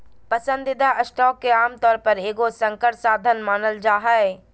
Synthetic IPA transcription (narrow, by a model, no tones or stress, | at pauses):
pəsə̃nd̪ɪd̪aʔəsʈɔːkːeaːmt̪ɔːɾpəɾeːɡosə̃ŋkəʈsaːd̪ʱənmaːnəld͡ʒaːɦae